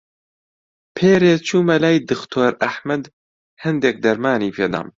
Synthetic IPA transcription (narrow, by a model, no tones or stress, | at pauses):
pʰeːɾeːt͡ʃʰuːmɐlaːjd̪ɨxt̪ʰoːɾɐħmɐd̪ | hɐnd̪ek̚d̪ɐɾmaːniːpʰeːd̪a̰ːm